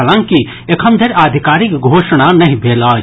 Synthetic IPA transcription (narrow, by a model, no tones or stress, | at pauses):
ɐlãŋki | ekʰɐmd̪ʱɐɾaːd̪ʱikaːɾɪkɡʱoːʃəɽ̃anɐɦĩbʱeːlaː